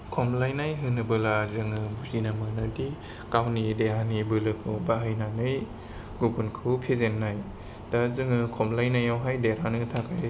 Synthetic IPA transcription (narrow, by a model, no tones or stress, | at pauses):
kʰɔmlajnajɦɯnɯbɯlazɯŋɯbuzinamɯnadi | kawnideɦanibɯlɯkʰɯbaɦɯjnanɯj | ɡubunkʰɯwpʰezenːaj | d̥azɯŋɯkʰɔmlajnajawɦajdeɾanɯtʰakaj